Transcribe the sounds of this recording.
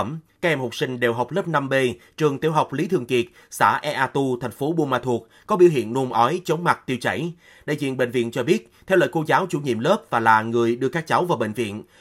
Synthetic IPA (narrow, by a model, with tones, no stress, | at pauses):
ə˧˩mkaː˦˥ʔɛ˧˩mho˨˩k͡p̚sï˧ŋ̟ɗe˨˩wɦa˨˩wk͡p̚lə˦˥p̚na˧mɓe˧ | t͡ɕɨ˨˩əŋt̪i˨˦əwɦa˨˩wk͡p̚li˨˦t̪ʰɨ˨˩əŋki˨˩ət̚ | sa̰ː˧˩ʔɛ˧ʔaː˧t̪u˧t̪ʰɛ˨˩ŋ̟fo˨˦ɓu˧maː˧˩t̪ʰu˨˩ək̚kɔ˨˦ɓḭ˧˩əɦḭ˧˨ənːu˧mʔɔ˨˦jt͡ɕə˨˦wŋ͡mma˨˩t̚t̪i˧wt͡ɕə̰˧˩j | ɗḛ˧˨˩zḭ˧˨ənɓḛ˧˨ŋ̟vḭ˧˨nt͡ɕɔ˧ɓi˦˥ət̚t̪ʰɛ˧wlə̰ː˧˨ko˧zaː˨˦wt͡ɕu˧˩ɲḭ˧˨əmləː˦˥p̚vaː˨˩laː˨˩ŋɨ˨˩əjɗɨ˧əkaː˦˥k̚t͡ɕa˨˦wvaː˨˩wɓḛ˧˨ŋ̟vḭ˧˨ən